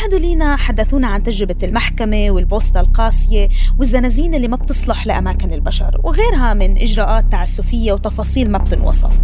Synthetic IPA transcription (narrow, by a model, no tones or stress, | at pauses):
ʔaħd̪uliːnaħad̪ːaθuːnaʕant̪aʒɾɪbalmaħkamewɪlboːst̪ɑlqɑːsˤjewɪzːanaziːnʔɪlːimab̚t̪ɨsˤlɑħlɪʔamaːkɪnɪlbaʃɑ̰ɾˤwɪɣeːɾɦamɪnʔɪʒɾˤɑːʔaːt̪ːaːʕɪsːuːfɪjːawt̪ɑfɑːsˤiːlmab̚t̪ɪnwɑ̰sˤɑ̰f